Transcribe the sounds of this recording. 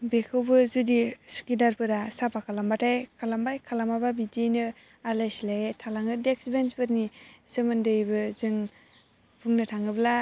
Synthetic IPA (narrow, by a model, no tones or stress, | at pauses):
bekʰɯwbɯzudisu̥kidaɾpɯɾasapʰakʰalambatʰajkʰalambajkʰalamababidenɯ | alajslajetʰalaŋɯdeksbensbɯɾnisɯmɯndɯjbɯzɯŋ | pʰuŋnɯtʰaŋɯbla